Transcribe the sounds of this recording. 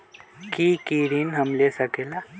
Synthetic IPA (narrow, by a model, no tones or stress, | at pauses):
kiːkiːɾinɦɐmleːsɐkela